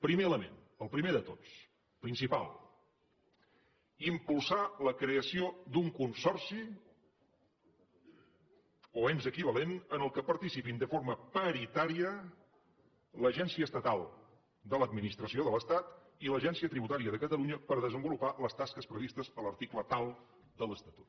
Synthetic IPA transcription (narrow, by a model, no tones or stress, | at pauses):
pɾimeələmḛn | əlˠpɾimeðət̪ot͡s | pɾinsipa̰lˠ | impulˠsaləkɾeəsiod̪uŋkunsɔrsi | oɛmzəkiβ̞əlenənəlˠkəpəɾt̪isipind̪əfoɾməpəɾit̪aɾiə | ləʒɛnsiəːst̪ət̪alˠ | d̪ələd̪minist̪ɾəsioðələst̪at̪ | iləʒɛnsiət̪ɾiβut̪aɾiəðəkət̪əluɲəpəɾðəzəmbulupaləst̪askəspɾəβist̪əsələɾt̪iklət̪alˠ | d̪ələst̪ət̪u̥t̪